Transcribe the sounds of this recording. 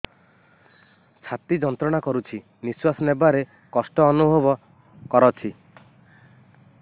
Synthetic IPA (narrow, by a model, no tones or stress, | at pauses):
t͡ʃʰat̪id͡ʒɔnt̪ɾɔɽ̃akɔɾut͡ʃʰi | niswasɔnebaɾe | kɔsʈɔːnubʱɔbɔ | kɔɾɔt͡ʃʰi